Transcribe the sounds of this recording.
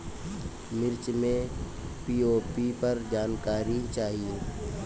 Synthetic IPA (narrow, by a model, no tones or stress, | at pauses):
mɪɾt͡ʃmẽ | piːoːpipɐɾd͡ʒaːnkaːɾit͡ʃaːɦijeː